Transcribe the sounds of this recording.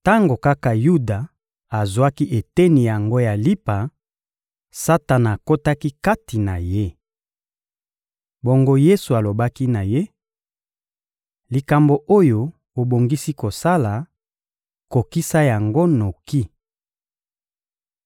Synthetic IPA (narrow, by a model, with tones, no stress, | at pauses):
ta˦ŋɡo˨ka˦ka˨ju˦da˨ | a˨zwa˦ki˦ʔe˨te˦ni˨ja˨ŋɡo˦ja˨li˦pa˨ | sa˦ta˨na˨a˨ko˦ta˦ki˦ka˦ti˨na˨je˦ | bo˦ŋɡo˦je˦su˨a˨lo˨ba˦ki˦na˨je˦ | li˨ka˨mbo˨ʔo˦jo˦˨ | o˨bo˨ŋɡi˦si˦ko˨sa˦la˨ | ko˨ki˦sa˦ja˨ŋɡo˦no˨ki˦